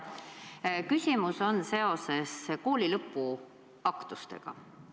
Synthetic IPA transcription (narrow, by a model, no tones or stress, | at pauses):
kysʲimuso̞nse̞o̞se̞sko̞ːlʲilɤpˑːu | ɑkt̪ust̪ḛɡ̥ɑ̰